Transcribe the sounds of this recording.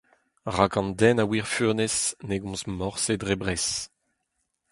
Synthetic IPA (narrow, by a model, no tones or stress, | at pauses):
ʁakɑ̃nd̪ɛnawiʁfønesneɡɔ̃smɔʁsedʁebʁɛs